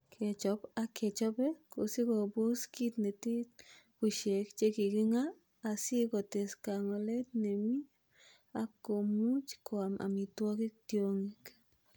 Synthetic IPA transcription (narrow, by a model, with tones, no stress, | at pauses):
kʰe˨t͡ʃo˧pa˦kʰe˨t͡ʃo˧be˦ko̰˨si˦ko˧bo˦ski˦t̪ne˨t̪i˦ku˧ʃe˨kt͡ʃe˦ki˨ɡi˦ŋaː˦˨ | si˦ɡo˨t̪e˨ska˨ŋo˨˧le˦t̪ne˨mi˦ | a˦ko˨mu˦t͡ʃko˧a˨mʔa̰˨mi˧t̪wa˧˦ɡi˦k̚t̪jo˧ŋi˦k